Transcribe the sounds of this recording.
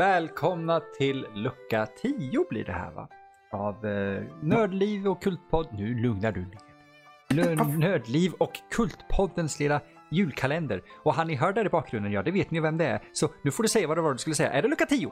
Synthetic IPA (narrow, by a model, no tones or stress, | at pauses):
vɛːlkʰɔmnat̪ʰɪlːɵkːat̪ʰiːʊblḭːɖɛ̰hæ̰ːɾva̰ | avnøːɖ̪liːvɔkʰːɵlt̪̚pʰɔd̪nʉ̟ːlɵŋnaɖɵ | nøːd̪liːvɔkʰːɵlt̪pʰɔd̪ːənslɪːla | jʉ̟ːlkʰalɛnd̪ə̰ɾɔɦanːɪɦœːɖæɾɪbɑːk̚ɡɾɵnd̪ənjɑːd̪ɛveːt̪nɪjvɛmd̪ɛæ̰ɾsɔnʉ̟ːfɔɖɵsɛjːavadɛvaːɾd̪ɵ̟skɵlːəsɛjːa̰ʔæɖɛlɵkːat̪ʰiːʊ